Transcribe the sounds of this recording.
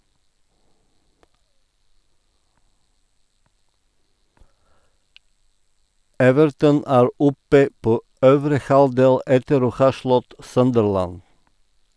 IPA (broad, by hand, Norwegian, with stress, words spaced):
ˈɛʋəɾtən ˈæːɾ ˈɔpə ˈpoː ˈøːʋɾə ˈhɑldeːl ˈɛtəɾ ˈoː ˈhɑː ˈʃlɔt ˈsœndəɹlæn